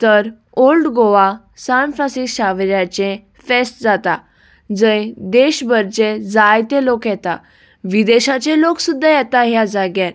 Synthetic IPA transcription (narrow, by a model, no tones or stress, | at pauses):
t̪əɾ | olɖɡoʋa | sanflasikɕaʋɾjat͡ɕẽ | fesʈ̚d͡zat̪a | d͡zə̃jd̪eɕbəɾt͡ɕed͡zajt̪ẽlokjɛt̪a | ʋid̪eɕat͡ɕeloksud̪ʱːajɛt̪aɦjad͡zaɡjɛ̃n